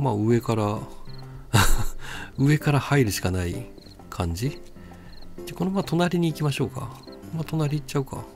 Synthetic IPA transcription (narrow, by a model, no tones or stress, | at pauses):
maːɯ̟e̞kaɾa | ɯ̟e̞kaɾahaiɾɯ̟ɕi̥kanai | kʰãɲ̟d͡ʑi | d͡ʑako̞nomat̪o̞naɾʲiɲ̟iːkʲimaɕo̞ːka̰mat̪o̞naɾʲiːtt͡ɕːaɯ̟ka̰